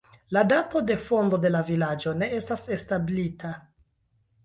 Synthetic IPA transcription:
ladato̞de̞fo̞ndo̞de̞lavilad͡ʒo̞ne̞e̞stase̞stablitʰa

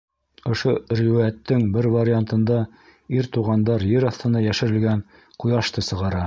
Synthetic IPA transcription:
ŏʃoriæt̪ːɘŋbɘɾvaɾʲɪant̪ɤ̆nd̪ɑ | iɾt̪uʁɑnd̪ɑɾjɘɾɑθt̪ɤ̆nɑjæʃɘ̆ɾɘ̆lɡæn | qujɑʃt̪ɤsɤ̆ʁɑɾɑ

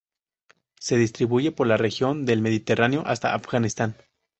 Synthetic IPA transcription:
se̞ðist̪ɾiβuʝe̞po̞ɾlarexjo̞nd̪e̞lme̞ðit̪e̞rʔaneo̞ʔast̪a̰afɣanist̪an

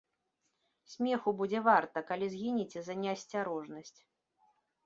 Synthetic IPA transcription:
sʲmʲɛxubud͡zʲɛvart̪ɐkalʲizɣʲinʲit͡sʲɛzɐnʲɛɐsʲt͡sʲaɾɔʐnɐsʲt͡sʲ

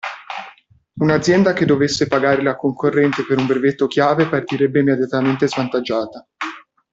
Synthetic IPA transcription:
unad̪zːjɛnd̪aked̪ːovesːepaɡaːɾelakoŋkorːɛnt̪sepeɾumbɾevet̪ːokjaːvepart̪iɾɛbːeimed̪jat̪ament̪ezvant̪ad͡ʒːaːt̪a

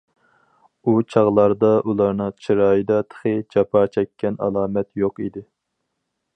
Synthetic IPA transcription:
ut͡ʃʰɑʁlˠɑɾd̪ɑʔulˠɑɾnɨŋt͡ʃʰiɾɑːjɨd̪ɑt̪ʰə̥χɨd͡ʒɑpʰɑt͡ʃʰɛkʲʰːɛnɑ̰lˠɑːmɛt̪joqḭd̪ɪ

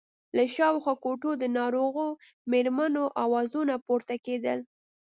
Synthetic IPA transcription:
laʃɑwxwɑkoʈod̪ənɑɾoɣo | meɾmanoʔawɑzunapoɾt̪aked̪əl

